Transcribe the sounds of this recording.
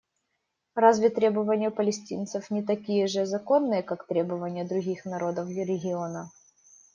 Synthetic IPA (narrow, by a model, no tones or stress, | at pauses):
razvʲɪt̪ɾʲe̞bəvənʲɪjəpəlʲɪsʲtʲint̪səfnʲɪt̪ɐkʲijəʐɨzɐko̞nːɨjəkakt̪ɾʲe̞bəvənʲɪjəd̪ɾʊɣʲixnɐɾo̞d̪əfɾʲɪɡʲɪonə